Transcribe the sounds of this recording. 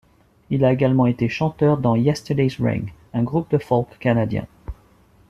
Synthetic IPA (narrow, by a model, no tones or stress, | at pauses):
ilaeɡalmɑ̃et̪eʃɑ̃t̪œʁd̪ɑ̃jɛst̪əd̪ezʁɛ̰ŋ | ɛ̃ɡʁup̚d̪əfɔlkkanad̪jɛ̰̃